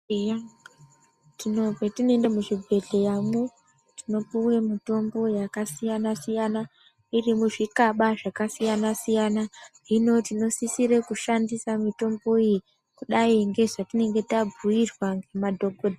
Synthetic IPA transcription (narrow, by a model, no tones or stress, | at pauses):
ejaŋ | tino̞etino̞endamuʐibʱe̞ɮe̞jamu | tino̞puwemito̞mbo̞jakasijanasijana | irimuʐikaɓaʐakasijanasijanaɦino̞tino̞sisiɾekuʃandisamito̞mbo̞ii | kuɗaiŋɡe̞ʐatine̞ŋɡe̞tab͡vuirwaŋɡe̞madʱo̞ɡʱodi